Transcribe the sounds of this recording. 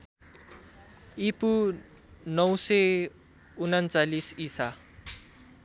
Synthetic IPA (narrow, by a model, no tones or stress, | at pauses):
ipu | nʌw̃sʌ | unant͡salisisa